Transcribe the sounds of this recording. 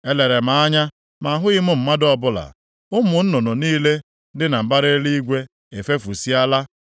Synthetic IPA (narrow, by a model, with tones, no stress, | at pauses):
e˦le˨ɾe˨ma˨a˦ɲa˦ | ma˨ɦʊ˦ɪ˦mʊ˦m̩˦ma˦dɔ˦bʊ˦la̰˨ | ʊ˦mʊ˨n̩˦nɔ˨nɔ˨niː˦le˦ | dɪ˦na˨m̩˨ba˦ɾe˦li˦i˦ɡʷe˦ | e˨fe˦fu˨si˦a˦la˦